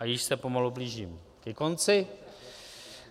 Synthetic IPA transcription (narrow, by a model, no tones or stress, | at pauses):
ʔajɪʃsɛpo̞malubliːʒiːm | kɛko̞nt͡sɪ